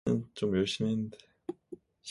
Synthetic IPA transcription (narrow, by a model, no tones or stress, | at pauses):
ɯnt͡ɕomjʌɭɕ͈imennde | ɕ